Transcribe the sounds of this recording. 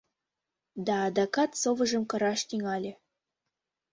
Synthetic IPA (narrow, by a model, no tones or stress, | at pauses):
d̪ɑːd̪ɑkɑt̪sovɤ̆ʒə̆mkɤ̆ɾɑʃt̪iŋɑlʲĕ